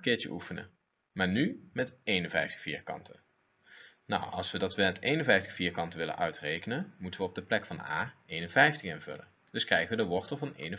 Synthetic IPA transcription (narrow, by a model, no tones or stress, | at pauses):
kɪːɹtə̰ʔufənə̰ | maːɹnymɛtejnənvɛjftə̥fḭːɹkɑ̰ntʰə | na̰wɑ̰lˠsʋədɑtʋəmɛtejnənvɛjftə̥χfiːɹkɑntəʋɪlə̰nʔœɥtrejkənənmutəʋəɔb̚dəplɛkfɑna̰ːejnənvɛjftəχɪnvɵ̰lən | d̥ɵskrɛjχəʋədəʋɔɹtəl̩ˠvɑnḛjnə